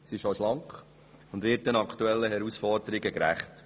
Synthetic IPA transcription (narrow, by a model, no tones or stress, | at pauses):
siʃoʃlɑŋk | ʊndʋɪt̚ːənɑkχtuɛlːəɦɛɾusfɔɾdəɾɪɡəkɾæ̰χt